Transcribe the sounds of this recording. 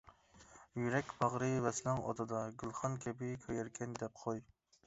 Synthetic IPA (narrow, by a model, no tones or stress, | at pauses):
jyɾɛkʲbɑʁɾɨvɛslˠɨŋɔ̰d̪ɑd̪ɑɡʲylˠχɑnkʲʰɛbɪkʰɑjɛɾkʲʰɛnd̪ɛp̚qʰoj